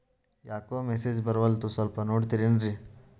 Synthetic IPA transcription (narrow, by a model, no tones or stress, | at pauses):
jaːkoːmeseːd͡ʒbɐɾʋɐlt̪usɐlpɐnoːɖt̪iɾinɾi